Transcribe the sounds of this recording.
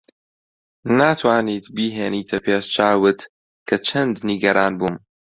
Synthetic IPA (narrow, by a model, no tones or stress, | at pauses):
naːt̪ʰwaːniːt̪biːɦeːniːt̪ʰɐpʰeːst͡ʃʰaːwɨt̪ | kʰɐt͡ʃʰɐnd̪niɡɐɾaːnbuːm